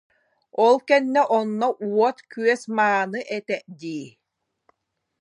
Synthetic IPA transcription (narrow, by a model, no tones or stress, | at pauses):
ɔlˠkɛnːɛʔɔnːɔʔuɔt̪kyœsmaːnɯʔɛt̪ɛʔd̪iː